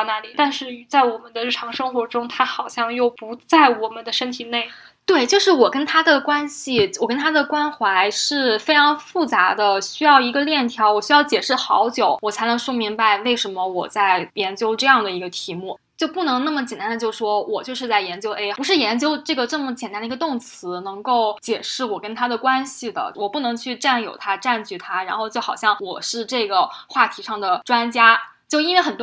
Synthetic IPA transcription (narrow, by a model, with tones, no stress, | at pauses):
na˧˥li˨˩t̪a˥˧nʂɻ̩˥˩˧t͡sa˥˩ɪwɔ˨˩mə˦nd̪ə˧˦ɻ̩˥˩ʈ͡ʂʰɑ˧˥ŋʂɤ˥ŋxwɔ˧˥ʈ͡ʂʊ˥ŋt̪ʰa˥xɑ˨˩ʊɕjɑ˥˧ŋjo˥˩ʊpu˧˥t͡sa˥˩ɪwɔ˨˩mə˦nd̪ə˧ʂə˥nt̪ʰi˨˩ne˥˩ɪ | t̪we˥˩ɪt͡ɕjo˥˧ʊʂɻ̩˥˩wɔ˨˩kə˥nt̪ʰa˥d̪ə˨kwa˥nɕi˨wɔ˨˩kə˥nt̪ʰa˥d̪ə˨kwa˥nxwa˧˥ɪʂɻ̩˥˩fe˥ɪʈ͡ʂʰɑ˧˥ŋfu˥˩t͡sa˧˥d̪ə˧ɕy˥jɑ˥˩ʊi˧˥ɡə˧ljɛ˥˩nt̪ʰjɑ˧˥ʊwɔ˨˩ɕy˥jɑ˥˩ʊt͡ɕjɛ˨˩ʂɻ̩˥˩xɑ̰˧˥ʊt͡ɕjo˨˧˩ʊwɔ˨˩t͡sʰa˧˥ɪnɤ˧˥ŋʂwɔ˥mi˧˥ŋba˧ɪwe˥˩ɪʂə˧˥nmə˧wɔ˨˩t͡sa˥˩ɪjɛ˧˥nt͡ɕjo˥ʊʈ͡ʂɤ˥˧jɑ˥˩ŋd̪ə˩i˧˥ɡə˧t̪ʰi˧˥mu˥˩ | t͡ɕjo˥˧ʊpu˥˩nɤ˧˥ŋna˥˩mə˩t͡ɕjɛ˨˩nt̪a˥nd̪ə˧t͡ɕjo˥˧ʊ˩ʂwɔ˥wʔɔ˨˩t͡ɕjo˥˧ʊʂɻ̩˥˧t͡sa˥˩ɪjɛ˧˥nt͡ɕjo˥ʊʔe˥ɪu˧˥ʂɻ̩˥˩jɛ˧˥nt͡ɕjo˥ʊʈ͡ʂɤ˥˩ɡə˩ʈ͡ʂɤ˥˩mə˩t͡ɕjɛ˨˩nt̪a˥nə˨˧ɡə˧t̪ʊ˥˩ŋt͡sʰɹ̩˧˥nɤ˧˥ŋko˥˩ʊt͡ɕjɛ˨˩ʂɻ̩˥˩wɔ˨˩kə˥nt̪ʰa˥d̪ə˨kwa˥nɕi˨d̪ə̰˩wɔ˨˩pu˥˩nɤ˧˥ŋt͡ɕʰy˥˧ʈ͡ʂa˥˩njo̰˨˩ʊt̪ʰa˥ʈ͡ʂa˥˧nt͡ɕy˥˩t̪ʰa˥ɻa˧˥nxo˥˧ʊt͡ɕo˥˩xɑ˨˩ʊɕjɑ˥˩ŋwɔ˨˩ʂɻ̩˥˧ʈ͡ʂɤ˥˩ɡə˩xwa˥˩t̪ʰi˧˥ʂɑ˥˩ŋd̪ə˩ʈ͡ʂwa˥nt͡ɕja˥ | t͡ɕjo˥˧ʊi˥nwe˥˩xə˨˩nt̪